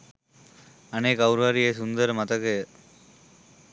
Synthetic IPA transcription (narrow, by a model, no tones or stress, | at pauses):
ɐneːkɐʊɾʋaːɾijes̬und̪ɐɾmɐt̪ɐkːe